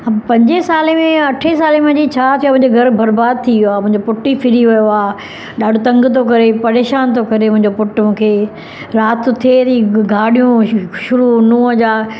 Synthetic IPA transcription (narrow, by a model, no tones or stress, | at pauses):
apɐ̃ɲd͡ʑesaːlemẽɐʈʰesaːlemɐ̃ɲd͡ʑit͡ɕʰaːt̪ʰjam̃ʊ̃ɪ̃ɲd͡ʑeɡʱɐɾbɐɾbaːd̪̚t̪ʰiʋjoaːmʊ̃ɦɪ̃ɲd͡ʑopʊʈːipʰɪɾiʋɐjoaː | ɗaːɖʊt̪ɐ̃ŋɡt̪ʰokɐɾepɐɾeːʃaːnt̪ʰokɐɾemʊ̃ɦɪ̃ɲd͡ʑopʊʈmũːkʰeː | ɾaːt̪ʰːot̪ʰiet̪iɡʱaːɽijũʃʊɾunũːəd͡ʑaː